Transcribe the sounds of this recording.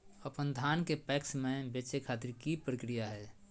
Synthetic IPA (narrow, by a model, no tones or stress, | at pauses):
əpənd̪ʱaːnkepɛːksmẽbeːt͡ʃekʰaːt̪ɪɾkipɾəkɾijaɦɛː